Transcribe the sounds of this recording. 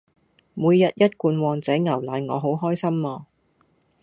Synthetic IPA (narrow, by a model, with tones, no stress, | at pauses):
muː˨˧jːɐ˨t̚jɐ˥t̚kuː˧nwɔː˨ŋt͡sɛː˨˥ŋɐ˨˩wlaː˨nŋɔː˨˧ɦo˨˥wɦɔː˥jsɐ˥mlɔː˧